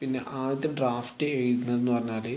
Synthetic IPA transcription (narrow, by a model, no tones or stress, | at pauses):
pinːḛʔaːʋit̪ːɐɖraːfʈːɨeɻunːɐðenːɨpɐrɐɲːaːleː